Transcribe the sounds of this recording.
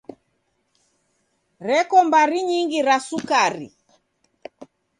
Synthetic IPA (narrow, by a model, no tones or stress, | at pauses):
ɾɛkɔmbaɾiɲiŋɡiɾasukaɾḭ